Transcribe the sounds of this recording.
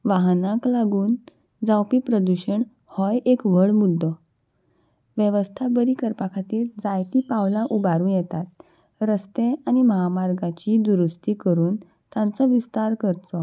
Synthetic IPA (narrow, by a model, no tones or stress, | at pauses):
ʋaɦnãklaɡuːn | d͡zawpiːpɾəd̪uɕəɳ | hɔjekʋəɭmud̪ʱːɔ | ʋjəʋəst̪ʰabəɾiːkəɾpakʰat̪iːɾd͡zajt̪iːpawlaʔubaɾũːnjɛt̪at̪ | ɾəst̪eañiməɦamaɾɡat͡ɕiːd̪uɾust̪iːkəɾuːn | t̪jãnt͡sɔʋist̪aɾkəɾt͡sɔ